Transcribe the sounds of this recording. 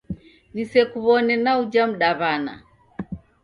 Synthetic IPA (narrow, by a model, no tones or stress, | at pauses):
nisɛkuβɔnɛnaud͡ʒam̩ɗaβana̰